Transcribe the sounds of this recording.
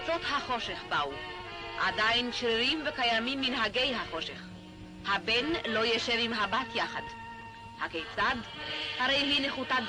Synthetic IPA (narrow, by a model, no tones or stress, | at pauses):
t͡so̞t̪haχo̞ʃeχbauʔadajnʃɾiɾimvekajamimːinɦaɡejɦaχo̞ʃeχ | habenlo̞jeʃevimɦabat̪jaχad | hakejt͡sad̪haʁejɦineχutad